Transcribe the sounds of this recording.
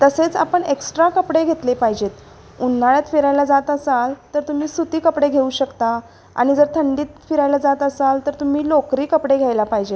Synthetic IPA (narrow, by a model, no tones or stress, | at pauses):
t̪əset͡sa̰pəɳeksʈɾakəpɽeɡʱet̪lepaɦid͡ʑet̪ | unːaɭjat̪fiɾajlad͡zat̪əsalt̪əɾt̪um̤iːsut̪iːkəpɽeɡʱeuːɕəkt̪a | a̰ɽ̃id͡zəɾt̪ʰəɳɖiːt̪fiɾajlad͡zat̪əsalt̪əɾt̪um̤iːlokɾiːkəpɽeɡʱjajlapaɦid͡ʑe